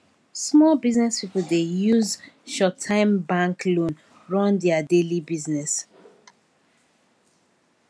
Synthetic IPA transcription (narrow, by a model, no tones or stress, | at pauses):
smɔlbiznɛspipl̩dejuzʃɔtʰːãɪ̃mbãŋklõn | ɹɔ̃ndɛadelibiznɛs